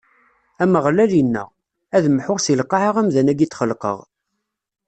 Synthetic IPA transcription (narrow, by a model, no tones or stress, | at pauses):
æməʁlælinːə̰ʁ | æðmħʊʁsilqːɑʕəʁæmðænæɡit͡sːχəlqə̰ʁ